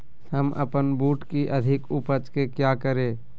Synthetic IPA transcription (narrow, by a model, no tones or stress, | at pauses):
həmə̰pənbuːʈkiʔəd̪ʱɪkʊpət͡ʃkekjaːkəɾeː